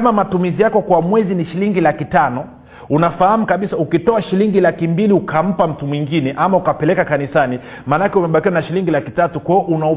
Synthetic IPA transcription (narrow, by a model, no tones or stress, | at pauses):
mamatumizijakɔkwamwɛziniʃiliŋɡilakitanɔ | unafahamukaɓisaukitɔaʃiliŋɡilakimbiliukam̩pam̩tumwiŋɡinɛʔamaukapɛlɛkakanisani | maːnakɛumɛɓakiwanaʃiliŋɡilakitatukwaɔʔuna